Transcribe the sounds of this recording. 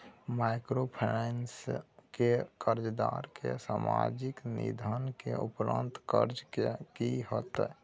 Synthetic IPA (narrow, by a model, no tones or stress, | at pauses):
majkɾopʰenenskekəɾd͡ʒd̪aɾkʰesamad͡ʒiknḭd̪ʱənkeupɾə̰nt̪kəɾd͡ʒkekiɦət̪